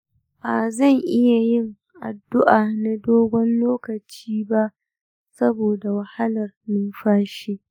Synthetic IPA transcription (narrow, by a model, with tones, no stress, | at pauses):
ba˨zɐ˦˨ŋʔɪ˦ja˨jɪ˦˨ŋ | ʔa̰˨dːʊ˦ʔaː˨na˨doː˦ɡʷɔ˦nloː˦kɐ˨t͡ʃiː˦ba˦ʔ | sɐ˦boː˨da˨wɐ˨ha˦lɐ˨rmɪ˦nɸaː˦ʃiː˦